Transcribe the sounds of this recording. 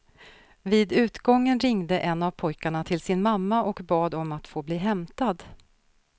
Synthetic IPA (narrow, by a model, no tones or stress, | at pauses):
viːd̪ʉ̟ːt̪ɡɔŋːənɾɪŋd̪əʔɛnːavpʰɔjkaɳat̪ʰɪlsɪnmamːaʔɔkbɑːd̪ɔmat̪foːbliːɦɛmt̪ad̪